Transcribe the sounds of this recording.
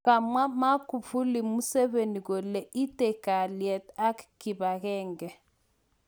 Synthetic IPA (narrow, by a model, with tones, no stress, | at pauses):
a˨mwa˦ma˦ku˨fu˦li˨mu˦sɛ˦βe˨ni˨ko˨lɛ˨ʔi˦tɛ˨ka˨ljɛ˨ta˦kki˨ba˨kɛː˦ŋɡɛ˨